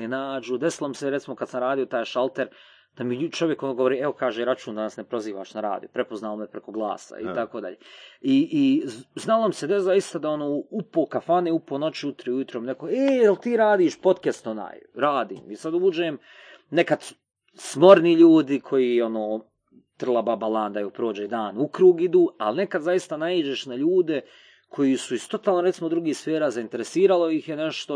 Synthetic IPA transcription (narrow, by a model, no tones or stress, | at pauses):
enaːd͡ʒud̪esilˠomiseɾet̪simo̞kad̪samɾaːd̪ijo̞t̪aːjʃalˠt̪eɾ | d̪̥amit͡ʃo̞ʋjekonoɡo̞ʋoɾiːeo̞kaːʒeːɾat͡ʃuːnd̪anasnepɾo̞ziːʋa̰ːʃnaɾa̰ːd̪ijo̰pɾepo̞znaːlomepɾeko̞ɡlˠa̰ːsa̰ḭt̪ako̞ːd̪a̰ʎḛːiʔːznalˠo̞mise̞d̪ezajist̪ad̪ao̞noːupoːkafaneːupoːno̞t͡ʃiut̪ɾeujut̪ɾomnekoeːjelt̪iːɾaːd̪iːʃpo̞t̪kest̪ona̰ːjɾaːd̪ḭːmisad̪uːd͡ʒeːm | nekad̪ | smo̞ɾniʎuːd̪ikʰo̞jiːo̞noː | t̪r̩lˠababalˠaːnd̪ajuːpɾo̞ːd͡ʒed̪aːnukɾuːɡid̪uːa̰lne̞kad̪zajist̪anaiːd͡ʒeʃnaʎuːd̪e̞ | kʰo̞jisuist̪o̞t̪aːlnoɾet̪imod̪ɾuɡiːhsfeːɾaːzaint̪e̞ɾesiːɾalˠo̞jixjeneʃt̪o